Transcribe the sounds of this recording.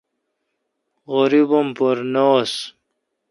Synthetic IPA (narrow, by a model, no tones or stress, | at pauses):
ʁoɾibompoɾnos